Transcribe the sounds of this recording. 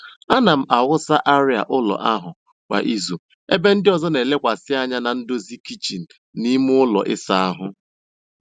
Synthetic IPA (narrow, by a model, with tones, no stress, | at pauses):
a˦na˨m̩˦ʔa˨wʊ˦sa˦ʔa˦ɾɪ˦a̰˨ʔʊ˦lɔ̰˨ʔa˦ɦʊ˨ | kʷa̰˨ʔi˦zu˨ | e˦be˦n̩˦dɪ˦ɔ˨zɔ˦ne˨le˦kʷa˨sɪ˦a˦ɲa˦na˨n̩˦do˦zi˦ki˦t͡ʃi˨n̩˨ | ni˦mu˦ʊ˦lɔ̰˨ʔɪ˦sa˦a˦ɦʊ˦